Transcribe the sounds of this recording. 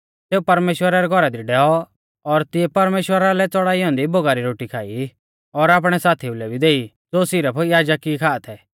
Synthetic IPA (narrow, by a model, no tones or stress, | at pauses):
seːupɐɾmeːʃwəɾaɾɛɡʱɔɾad̪iɖɛːɔ | ɔɾt̪ɪɛpɐɾmeːʃwəɾalɛt͡sɔɽaːiɔ̃ːnd̪iboɡaːɾiɾoːʈikʰaːi | ɔɾaːp̬ɽ̃ɛsaːt̪ʰiʊlɛbʱid̪eːi | d͡zoːsiːɾapʰɔiaːd͡ʒakikʰaːat̪ʰɛ